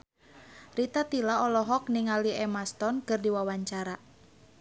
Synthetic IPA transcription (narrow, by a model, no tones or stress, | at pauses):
rit̪at̪ilaɔlɔɦɔk̚niŋaliɛmast̪ɔnkɨrdiwawaɲt͡ʃaɾa